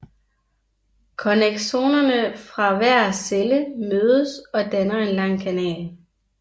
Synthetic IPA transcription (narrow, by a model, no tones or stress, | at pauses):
kʰɒneɡ̥ɕo̝̰ːnɐnəfʁɑ̈ʋæɐ̰seləmøːð̞ˠəsɒ̽d̥ænɐenlɑ̈ŋ̰kʰænɛ̰ːl